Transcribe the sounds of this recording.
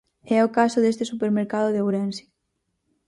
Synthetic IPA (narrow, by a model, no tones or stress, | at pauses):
ɛokasʊðest̪esupeɾmeɾkaðʊðeowɾɛnsi̥